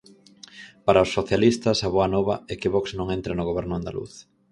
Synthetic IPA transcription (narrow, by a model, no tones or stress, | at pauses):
paɾaosːoθjalist̪ɐsaβɔanɔβɐ̰ɛkɪβɔksnõŋɛnt̪ɾanʊɣ̞oβɛɾnʊand̪a̰lṵθ